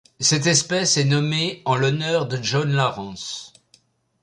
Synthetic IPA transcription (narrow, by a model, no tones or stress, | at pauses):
sɛt̪ɛspɛsɛnɔmeɑ̃lɔnœʁd̪əʒɔnlaʁɑ̃s